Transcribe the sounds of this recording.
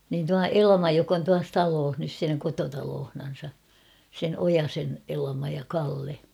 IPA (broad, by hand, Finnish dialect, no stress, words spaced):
niːn tuɑ elmɑ jok on tuɑs tɑloːh nys siːnæ kototɑloːhnɑn̞sɑ sen ojɑsen elɑ̆mɑ jɑ kɑlːe